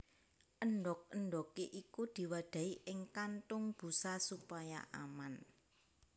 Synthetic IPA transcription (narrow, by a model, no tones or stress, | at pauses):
ʔənɖɔk̚ənɖɔkeʔikud̪̥i̤wad̪̥ä̤iʔɪŋkant̪ʊŋb̥ṳsasupaja̰ʔa̰man